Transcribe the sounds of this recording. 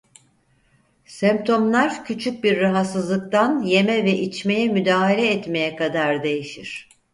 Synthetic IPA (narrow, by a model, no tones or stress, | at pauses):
sɛmp̚t̪ʰo̞mlˠaɾcʰyt͡ʃʰyc̚biɾːaɦat̪sɯzlˠɯk̚t̪anje̞mɛvɛʔit͡ʃme̞jɛmyd̪aːɦalʲɛːt̪me̞jɛkʰad̪aɾd̪e̞jiʃiɾ̝̥